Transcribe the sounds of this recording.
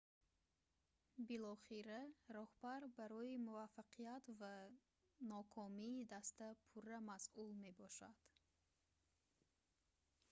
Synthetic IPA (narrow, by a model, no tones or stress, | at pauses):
bilɔχiɾaɾɔhbaɾbaɾɔimuvafaqʰijat̪va | nɔkʰɔmiːd̪ast̪apʰuramasulme̞bɔʃa̰d̪̥